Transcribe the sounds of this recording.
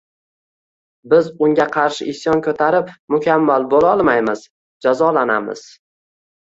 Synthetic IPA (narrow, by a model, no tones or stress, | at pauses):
bɪzʊŋɡʲaqʰɑɾʃɪʔɪsjɒnkʰɵt̪ʰaɾɪpmʊkʲʰamːalbolɒlˠmajmɪz | d͡ʒazɒlana̰mɪ̰z̥